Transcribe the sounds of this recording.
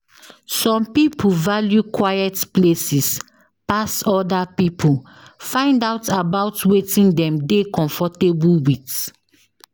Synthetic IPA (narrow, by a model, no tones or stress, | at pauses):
sɔ̃mpipuvaljukwajɛtplesis | pasɔdapipʰul | fãɪ̃ndaʊtabaʊtwetĩndɛ̃mdekɔ̃ɱfɔtebwit